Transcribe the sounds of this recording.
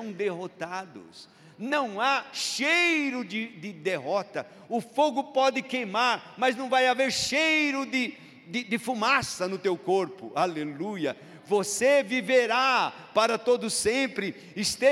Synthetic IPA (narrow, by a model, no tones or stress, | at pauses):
ɐ̃w̃d̪eɦot̪ad̪ʊ̰s | nɐ̃w̃aʃejɾʊd͡ʒ̪ɪd̪ɪd̪eɦɔt̪ɐ | ʊfoɡʊpɔd̪ɪkejmaɾmɐznɐ̃w̃vajaveɾʃejɾʊd̪ɪ | d̪ɪd̪ɪfumasɐnʊt̪ewkoɾpʊ̰alelujɐ̰ | voseviveɾa | paɾɐt̪od̪ʊsẽpɾɪ | ɪst̪e